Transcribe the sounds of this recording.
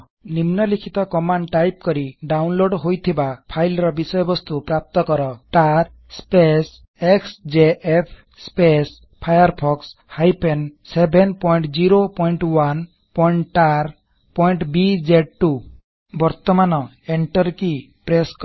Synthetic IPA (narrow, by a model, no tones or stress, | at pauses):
nimnɔlikʰit̪ɔkɔmaɳɖʈajp̚kɔɾiɖawnloɖɦojt̪ʰibapʰajlɾɔbisɔjɔbɔst̪upɾap̚t̪ɔkɔɾɔtaɾ | spes | eksd͡ʒeʔepʰ | spes | pʰajaɾpʰɔkshajpensebʱenpɔjɳʈd͡ʒiɾopɔjɳʈwan | pɔiɳʈaɾ | pɔjɳʈbid͡ʒeɖ̚ʈu | bɔɾt̪ɔmanɔ | eɳʈɔɾki | pɾesk